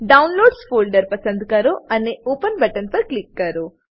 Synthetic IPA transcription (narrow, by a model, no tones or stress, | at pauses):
ɖɐwnloːɖspoːlɖɐɾpɐsɐnd̪kaːɾuɐneoːpɐnbɐʈɐnpɐɾklikːaːɾu